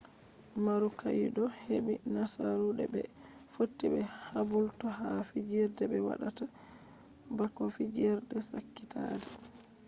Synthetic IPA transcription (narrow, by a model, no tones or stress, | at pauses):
maɾukajɗɔhebinasaɾuɗɛ̰bɛ̰ | fotːibɛhabultɔhafid͡ʒɛɾdɛbɛwa̰ɗata | bakːɔfid͡ʒɛɾdɛsakːita̰dɛ